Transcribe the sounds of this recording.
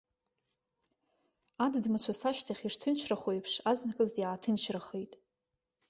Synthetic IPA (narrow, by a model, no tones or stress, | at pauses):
addmat͡ɕʷʰasaʃtʰaχʲirtʰɨnt͡ʃʰraχojpʰʂaznakʼɨzjaːtʰɨnt͡ʃʰraχejtʼ